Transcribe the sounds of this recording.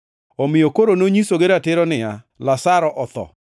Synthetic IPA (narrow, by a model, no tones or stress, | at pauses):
omɪjokoɾonoɲisoɡeɾatɪɾɔnɪja | lasaɾɔʔɔt̪ɔ̰